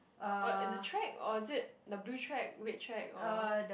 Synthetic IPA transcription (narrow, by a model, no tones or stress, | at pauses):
aɔɪdətʰɹɛk̚ɔ̰ɪzɪt̚dəbluːtʰɹɛk̚wet̚tʰɹɛk̚ɔd